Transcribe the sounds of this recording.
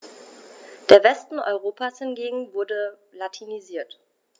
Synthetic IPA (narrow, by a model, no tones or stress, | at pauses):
d̥eːɐvɛstn̩ʔɔ̰ʏʁ̞oːpʰaːshɪnɡeːɡŋ̩vʊɐdəlatʰiniziːɐt